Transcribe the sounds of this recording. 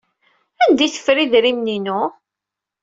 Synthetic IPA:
ænd̪iθə̥fɾiðɾimninu

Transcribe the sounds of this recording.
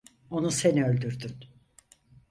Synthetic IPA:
o̞nuseniø̞lʲd̪yɾd̪yn

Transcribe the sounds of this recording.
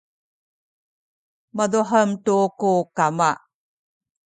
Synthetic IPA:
maduħəmtukukama

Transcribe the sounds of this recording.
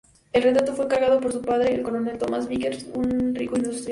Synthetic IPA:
e̞lret̪ɾat̪o̞fweŋkaɾɣað̞o̞po̞ɾsupaðɾeelko̞lone̞lt̪o̞masβikeɾsunrikoind̪ust̪ɾj

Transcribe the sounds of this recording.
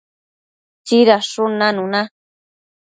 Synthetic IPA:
t͡ʃiɾaʂʊnãnũna

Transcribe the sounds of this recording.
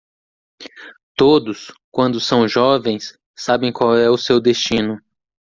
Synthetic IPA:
t̪od̪ʊskwɐ̃nd̪ʊsɐ̃w̃ʒɔvẽj̃sː | abẽj̃kwawɛʊsewd̪est͡ʃĩnʊ

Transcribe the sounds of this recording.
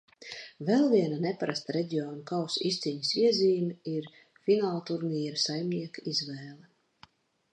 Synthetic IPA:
vɛlˠviɛnanɛpaɾast̪aɾɛɟʲiɔːnukawsist̪siɲisiɛziːmiɾ | finaːlˠt̪uɾnijɾsajmniɛkizvɛːlˠɛ

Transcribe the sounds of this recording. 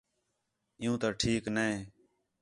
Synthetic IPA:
ɪjũːt̪aːʈʰiːknəẽː

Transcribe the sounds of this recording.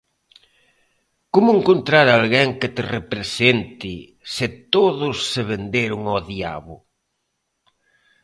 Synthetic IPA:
komʊeŋkont̪ɾaɾalɣɛŋkɪt̪ɪrepɾesent̪i | sɪt̪oðʊsːeβend̪eɾʊŋoðia̰βʊ

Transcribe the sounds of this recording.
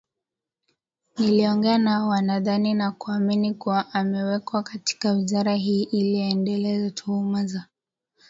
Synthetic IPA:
niliɔŋɡɛanawanaðaninakuaminikuwaʔːmɛwɛkwakati̥kawizaɾaɦiːʔːliɔɛndɛlɛzɛtʰuumaza

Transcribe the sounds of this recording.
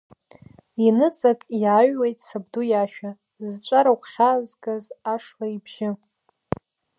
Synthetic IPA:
inɨt͡sʼakʼjaɥwejtʼsabdujaʃᶣa | zt͡ʃʷʼaɾawχʷχʲazɡazaʂlaibʒɪ

